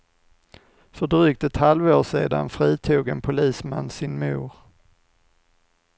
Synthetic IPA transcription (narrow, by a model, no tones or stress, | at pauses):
fœɖɾyːk̚t̪ɛt̪halvoːʂeːd̪a̰nfɾiːt̪ʰuːɡɛnpʰʊliːsma̰nːsɪnmuːɾ